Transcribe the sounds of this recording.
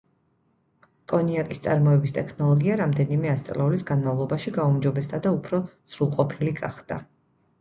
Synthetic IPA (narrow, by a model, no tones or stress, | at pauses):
kʼɔniakʼist̪sʼaɾmɔɛbist̪ʼɛkʰnɔlˠɔɡiaɾamd̪ɛnimɛast̪sʼlɛulisɡanmavlˠɔbaʃiɡaumd͡ʒɔbɛstd̪ʼad̪aupʰɾɔz̥ɾulˠqʼɔpʰiliɡaχd̪̥a